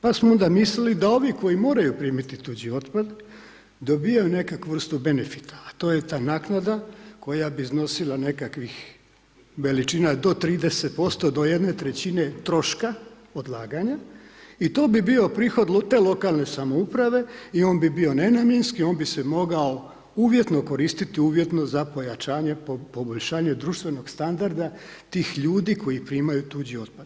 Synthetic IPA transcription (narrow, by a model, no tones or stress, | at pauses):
pasmoo̞nd̪amislilid̪ao̞ʋiko̞jimo̞ːɾajupɾiːmit̪it̪ud͡ʑio̞t̪pad̪ | d̪o̞bijajune̞kakuʋr̩st̪ube̞nefi̥t̪ʰḁːt̪o̞ːjet̪aːnaːknad̪ako̞jabizno̞silˠane̞kakʋix | ʋe̞lit͡ʃiːnad̪o̞t̪ɾiːd̪eset̪̚po̞st̪o̞d̪ojed̪ne̞t̪ɾet͡ɕine̞t̪ɾo̞ʃka | od̪lˠaːɡaɲait̪o̞ːbibio̞pɾiːxo̞d̪lot̪e̞ːlˠo̞kalne̞samo̞upɾaʋe̞io̞ːnbibio̞ne̞namje̞nskioːnbisemo̞ɡao̞ | uʋje̞t̪no̞ko̞ɾiːst̪it̪iuːʋje̞t̪no̞zapo̞jat͡ʃaːɲe̞ppo̞bo̞ʎʃaːɲe̞d̪ɾuːʃt̪ʋe̞no̞ɡ̥st̪and̪aɾd̪at̪iːxʎuːd̪iko̞jipɾiːmajut̪uːd͡ʑio̞d̪̚pad̪